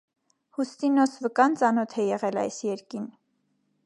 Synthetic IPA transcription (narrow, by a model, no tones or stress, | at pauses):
hust̪inɔsvəkɑnt͡sɑnɔt̪ʰɛjɛʁɛlɑ̰jsjɛɾkin